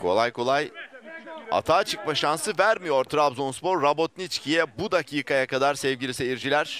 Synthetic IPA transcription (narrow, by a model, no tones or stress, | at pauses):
kʰo̞̰lˠajkʰo̞lˠaj | a̰t̪ʰaːt͡ʃʰɯk̚maʃansɯvæɾmijo̞ɾt̪ʰɾabzonspo̞ɾːabot̪̚nit͡ʃcʰijɛbud̪acʰiːkʰajakʰad̪aɾsɛvɟilʲisejiɾd͡ʒilʲæɾ̥